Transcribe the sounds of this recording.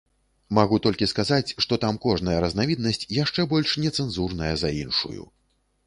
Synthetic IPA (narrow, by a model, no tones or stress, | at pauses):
maɣut̪ɔlʲkʲiskazat͡sʲʂt̪ɔt̪amkɔʐnɐjɐɾɐznavʲid̪̚nɐsʲt͡sʲjaʂt͡ʂɛbɔlʲʂnʲɛt̪sɛnzurnɐjɐzainʂṵjṵ